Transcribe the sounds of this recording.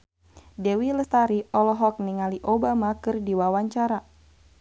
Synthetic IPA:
dɛwiləst̪aɾiɔlɔɦɔk̚niŋaliʔobamakɨrdiwawaɲt͡ʃaɾa

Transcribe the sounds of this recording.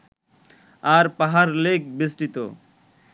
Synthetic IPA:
aɾpaɦaɾlek̚bisʈit̪o̰

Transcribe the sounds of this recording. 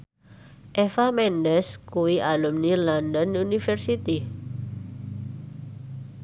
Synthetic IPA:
ʔefamɛndɛskuwiʔalumnilɔndɔnunifɛrsit̪i

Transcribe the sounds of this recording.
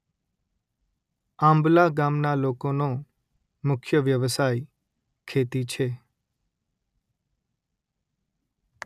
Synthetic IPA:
ãːmblaːɡaːmnaːloːkoːnoː | mʊkʰjəʋjəʋsaːi | kʰeːt̪it͡ʃʰeː

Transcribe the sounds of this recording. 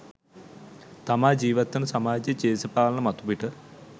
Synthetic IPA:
t̪ɐmaːd͡ʑiːʋɐt̪ːɐnɨsɐmaːd͡ʑɐt͡ɕeːsɐpaːlɐɳɐmɐt̪ubiʈɨ

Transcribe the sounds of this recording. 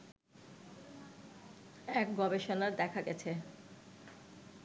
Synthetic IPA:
ɛk̚ɡɔbeʃonaɾd̪ɛkʰaɡɛt͡ɕʰe

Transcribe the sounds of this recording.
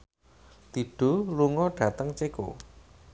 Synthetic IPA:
t̪iɖ̥o̤luŋɔɖ̥ä̤t̪əŋt͡ʃeko̰

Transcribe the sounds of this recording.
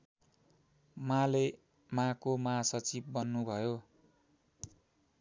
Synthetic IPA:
mãle | mãkomãsʌt͡sib̚ːʌnːubʱʌjo

